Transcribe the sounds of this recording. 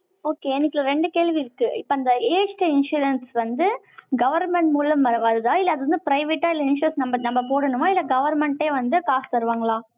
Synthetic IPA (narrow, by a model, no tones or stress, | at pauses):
oːkeːɛnːɪkːɪlɐɾɛɳɖɯkeːɭʋiɪɾɯkːɯɪpːoɐnd̪ɐeːsʈɪnʂuːɾɛnsʋɐnd̪ɯ | ɡɐʋɐɾmɛɳʈmuːlɐmʋɐɾɐʋɐɾɯðaːɪlːɐɐðɯʋɐnd̪ɯpɪɾɐɪʋeːʈːaːɪlːɐɪnʃʊɾɛnsnɐmbɐnɐmːbɐpoːɽɐnɯʋãːɪlːɐɡɐʋɐɾmɛɳʈeːʋɐnd̪ɯkaːst̪ɐɾɯʋaːŋɡɐɭaː